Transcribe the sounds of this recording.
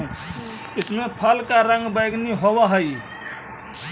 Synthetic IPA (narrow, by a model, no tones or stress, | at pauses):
ɪsmepʰəlkaɾə̃ŋɡbəjɡniɦobəɦəj